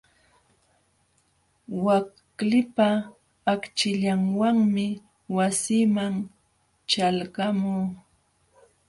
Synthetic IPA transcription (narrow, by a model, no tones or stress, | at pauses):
wakklɪpaː | kt͡ʃɪʎaŋwaŋmɪ | wasimaŋ | t͡ʃalɢamuː